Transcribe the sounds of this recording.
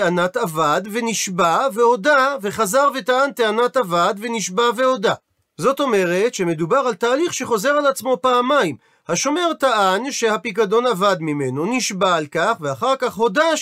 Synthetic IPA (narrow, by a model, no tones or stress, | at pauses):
eanat̪avadveniʃbave̞ho̞dave̞χazaʁve̞taʔant̪eanatavad̪veniʃbave̞ho̞da | zo̞to̞me̞ʁetʃe̞me̞dubaʁaltaːliχʃe̞χo̞ze̞ʁalat͡smo̞paːmaim | haʃo̞me̞ʁtaʔanʃehapikado̞navad̪mimenoniʃbaalkaχveaχaʁkaχho̞da